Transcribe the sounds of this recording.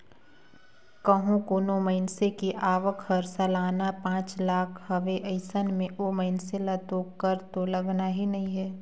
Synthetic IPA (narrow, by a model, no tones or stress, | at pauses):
kəɦũkoːnoməɪnsekiʔaːʋəkʰəɾsɐlaːnapãːt͡ʃlaːkʰhɐʋeʔəɪsənmẽʔoməɪnselɐt̪okəɾt̪olɐɡnaɦinɐɦĩɦɛː